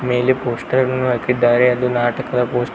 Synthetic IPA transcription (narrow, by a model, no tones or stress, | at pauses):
me̞ːlepoːsʈɐɾɐɾɐnːuʋɐkːid̪ːaːɾeɐd̪unaːʈɐkɐd̪ɐpoːsʈ